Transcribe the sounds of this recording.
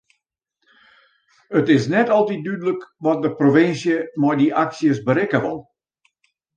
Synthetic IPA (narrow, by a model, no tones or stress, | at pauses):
ətɪsnɛtɔlˠtit̚dydələkʋɔt̚dəproʋɪnsjəmɔjdiʔaksjəsbəɾɪkəʋɑ̰lˠ